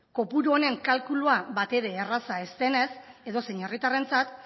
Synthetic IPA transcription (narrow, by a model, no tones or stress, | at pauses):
ko̞puɾuone̞ŋkalkuluaβat̪e̞ɾe̞ːrasae̞st̪e̞ne̞se̞ðo̞seɲe̞rit̪are̞nt͡sat̪